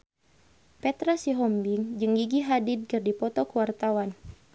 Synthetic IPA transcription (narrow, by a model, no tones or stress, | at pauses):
pɛt̪ɾasiɦɔmbiŋd͡ʒɨŋɡiɡiɦadid̪̚kɨrdipɔt̪ɔkəwart̪awan